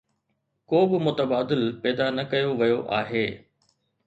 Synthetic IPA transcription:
koːbɪmʊt̪əbaːd̪ɪlpɛːd̪anɐkɐjoʋɐjoʔa̰ːɦeː

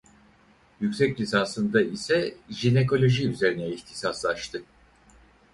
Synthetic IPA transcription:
jycsɛclʲisansɯnd̪aisɛʒine̞kʰo̞lʲo̞ʒiyze̞ɾinɛiçt̪ʰi̥saslˠaʃt̪ʰɯ

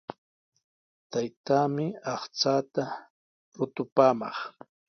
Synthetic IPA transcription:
t̪ajt̪aːmɪɑχt͡saːt̪a | ɾʊt̪ʊpaːmɑ̰χ

